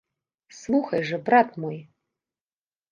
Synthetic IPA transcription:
slˠuxɐjʐɛbrat̪moj

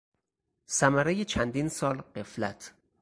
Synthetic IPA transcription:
sæmæɾejet͡ʃʰænd̪iːnsɒːlɢe̞flæt̪ʰ

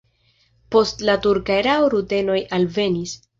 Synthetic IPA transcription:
po̞stlatuɾkajɾaoɾute̞no̞jʔalve̞nis

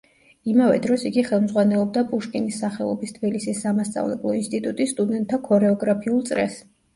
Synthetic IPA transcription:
imavɛ̰d̪ɾɔsiɡiχɛlˠmzʁwanɛlˠɔb̚d̪apʼuʃkʼinisːaχɛlˠɔ̰bist̪ʰb̥ilisisːamast̪sʼa̰vlɛblˠɔinst̪ʼit̪ʼut̪ʼisst̪ʼud̪ɛnt̪ʰːakʰɔɾɛɔɡɾapʰiulˠt̪sʼɾɛ̰s

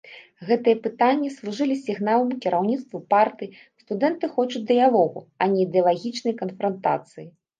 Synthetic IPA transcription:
ɣɛt̪ɨjɛpɨt̪anʲːislˠuʐɨlʲisʲiɣnalˠɐmkʲiɾʔawnʲit̪st̪vupart̪ɨj | st̪ud̪ɛnt̪ɨxɔt͡ʂut͡sʲd̪ɨjalˠɔɣṵɐnʲɛid̪ɛɐlˠaɣʲit͡ʂnɐjkɐnfɾɐnt̪a̰t̪sɨji

